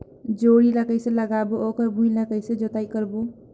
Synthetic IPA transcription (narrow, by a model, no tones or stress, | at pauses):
d͡ʒoːɽiləkəjsẽləɡabuokəɾbʱũĩləkəjsẽd͡ʒot̪aikəɾbu